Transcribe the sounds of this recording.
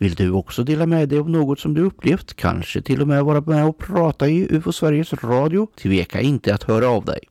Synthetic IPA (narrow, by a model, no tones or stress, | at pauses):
vɪld̪ɵɔksɔd̪eːlamɛd̪ɛjɔmnoːɡɔt̪sɔmd̪ɵɵpːleːft̪kʰa̰nʂə̰t̪ʰɪlːɔmɛvɑːɾamɛɔpʰɾɑːt̪aɪʔʉːfɔsvæɾjəsɾɑːd̪ɪʊt̪ʰveːkʰa̰ɪnt̪əat̪hœːɾaːvd̪ɛ̰j